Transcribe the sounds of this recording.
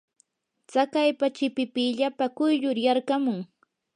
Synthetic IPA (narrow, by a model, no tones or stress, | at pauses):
t͡sakajpat͡ʃɪpɪpɪʎapakʊjʎʊɾjaɾkamʊŋ